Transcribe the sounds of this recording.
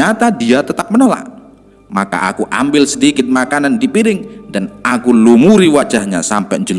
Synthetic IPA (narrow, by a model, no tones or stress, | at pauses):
at̪adiat̪ət̪ap̚mənola̰ʔ | maka̰ʔa̰kuʔa̰mbɪlsədikɪt̪̚makanandipiɾɪŋdanakulumuɾiwad͡ʒahɲa̰sa̰mpɛʔɲd͡ʒəl